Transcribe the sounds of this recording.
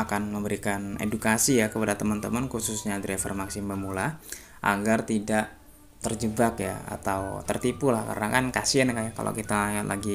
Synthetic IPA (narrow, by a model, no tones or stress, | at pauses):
akanməmbəɾikanḛdukasijakəpadat̪əmant̪əmənkususɲadɾefərmaksɪmbəmula | ʔa̰ɡart̪idaʔ | t̪ərd͡ʒəbakja̰a̰t̪awt̪ərt̪ipulahka̰rənakankasiankaka̰la̰kit̪aat̪lʔaɡi